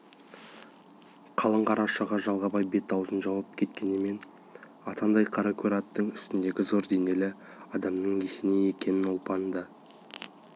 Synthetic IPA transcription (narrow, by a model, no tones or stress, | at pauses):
qʰɑlˠəɴqʰɑɾɑʃɑʁɑʒɑlˠʁɑbɑjbe̞t̪̚ːɑwzənʒɑwɑp̚kʲʰe̞t̪kʲe̞nɪme̞n | ɑt̪ɑnd̪ɑjqʰɑɾɑkʲʰuɾɑt̪ːəɴʏst̪ɪnd̪e̞ɡʲɪzo̞ɾd̪e̞ne̞lɪɑd̪ɑmnəɴjesɪneje̞kʲe̞nɪnopɑnd̪ə